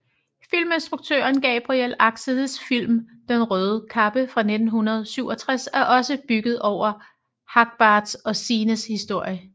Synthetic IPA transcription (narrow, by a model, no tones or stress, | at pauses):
fil̰mensd̥ʁuɡ̥̚t͡sʰø̰ɐnɡ̥ɛ̰ːb̥ʁiel̰ɑ̈ɡ̥səðˠsfil̰md̥enʁœːð̞ˠəkʰɑ̈b̥əfʁɑ̈ne̝d̥n̩ɦunɐð̞ˠsyʊɒ̽t͡sʰʁasæɐʔɒ̽səb̥yɡ̥ð̞̩ˠɒʊ̰ɐ | hɑ̈ɡ̥̚b̥ɑ̈ːd̥sɒ̽siːnəshisd̥o̝ɐ̰jə